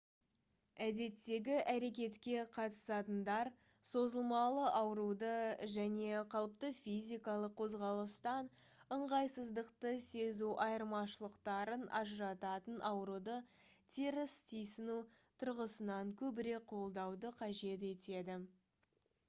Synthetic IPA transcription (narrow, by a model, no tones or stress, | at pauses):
æd̪e̞t̪ːe̞ɡʲɪʔæɾe̞kʲe̞t̪kʲe̞qʰɑt̪ə̥sɑt̪ənd̪ɑɾ | so̞zəlˠmɑlˠəʔɑwɾud̪əʒæne̞qʰɑlˠəp̚t̪əfʲijzʲijkɑlˠəqʰːozʁɑlˠəst̪ɑn | əɴʁɑjsəzd̪əqt̪əse̞zuʔɑjəɾmɑʃəlˠəqt̪ɑɾənʔɑ̰ʒəɾɑt̪ɑt̪ənʔɑwɾud̪ə | t̪ʰeɾɪst̪ʰʏjsɪnu | t̪ʰʊɾʁəsənɑŋkʲʰɵbɪɾe̞k̚qʰo̞lˠd̪ɑwd̪əqʰɑʒe̞t̪e̞t̪e̞d̪ɪ